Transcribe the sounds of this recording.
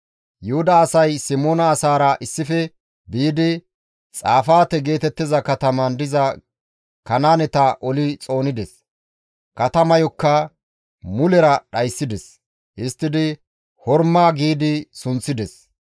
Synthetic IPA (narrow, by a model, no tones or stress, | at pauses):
jʊhʊd̪ɐːsɐjsɪmoːnɐːsaːɾɐʔɪsːɪfɛ | biːd̪ɪ | t͡sʼaːfaːt̪ɛɡe̞ːt̪ɛt̪ːɪzɐkɐt̪ɐmɐnd̪ɪzɐ | kɐnaːnɛt̪ɐʔɔlɪt͡sʼo̞ːnɪd̪ɛs | kɐt̪ɐmɐjɔkːɐ | mʊlɛɾɐɗɐjsːɪd̪ɛs | hɪst̪ːɪd̪ɪ | hɔɾmaːɡiːd̪ɪsʊnt͡sːɪd̪ɛs